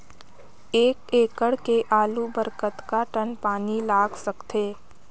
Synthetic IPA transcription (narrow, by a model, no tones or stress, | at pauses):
eːkeːkəɽkeʔaːlubəɾkət̪kaʈənpaːnilaːɡsəkt̪eː